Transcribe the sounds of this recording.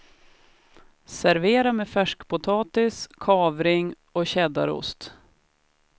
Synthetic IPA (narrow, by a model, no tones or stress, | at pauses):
sæɾveːɾamefæʂkpʊt̪ʰɑːt̪ɪskʰɑːvɾɪŋ | ɔɕɛd̪a̰ɾʊ̰st̪